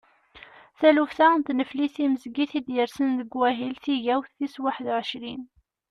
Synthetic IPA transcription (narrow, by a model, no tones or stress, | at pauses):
θælufθant̪nəfliθiməzɡiθid̪jəɾsənðəɡwæɦilθiʝæwθθiswaħəðʕəʃɾin